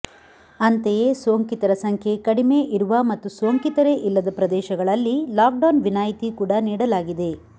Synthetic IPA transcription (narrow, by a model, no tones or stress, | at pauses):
ɐnt̪ejeːsoːŋkit̪ɐɾɐsɐŋkʰje̞kɐɽime̞ʔiɾuʋɐmɐt̪ːuso̞ːŋkit̪ɐɾe̞ʔilːɐd̪ɐpɾɐd̪ɛːʃɐɡɐɭɐlːilaːk̚ɖɐːnʋinaːjt̪ikuːɽɐniːɽɐlaːɡid̪e̞